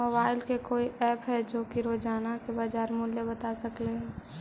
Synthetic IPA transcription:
obaːɪlkekoːiɛːpɦɛd͡ʒoːkiɾoːd͡ʒaːnakebaːd͡ʒaːɾmʊlːjebət̪asəkleɦɛː

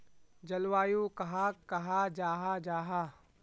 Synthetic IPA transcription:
d͡ʒɐlwaːjukɐɦakːɐɦad͡ʒaːɦad͡ʒaːɦaː

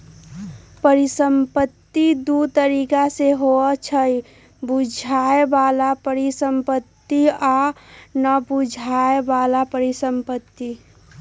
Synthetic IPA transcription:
pəɾisəmpət̪ːid̪ut̪əɾiːkaseɦoət͡ʃʰəi | bud͡ʒʱaebalapəɾisəmpət̪ːianəbud͡ʒʱaebalapəɾisəmpət̪ːi

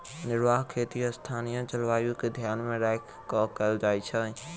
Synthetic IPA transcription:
nɪɾʋaɦkʰet̪ijəst̪ʰanijə̃t͡ʃəlʋajuked̪ʱjaːnmẽɾakʰ | kɔkəld͡ʒaːjt͡ʃʰə

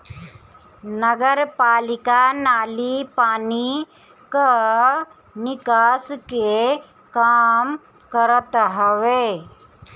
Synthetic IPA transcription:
nəɡəɾpaːlɪkanaːlipaːni | kə | nɪkaːske | kaːm | kəɾət̪ɦəʋeː

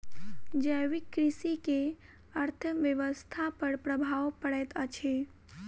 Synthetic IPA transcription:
d͡ʒəjʋɪkːɾɪsike | əɾt̪ʰəʋjəʋəst̪ʰapəɾpɾəbʱaʋpəɽɛt̪ət͡ʃʰe

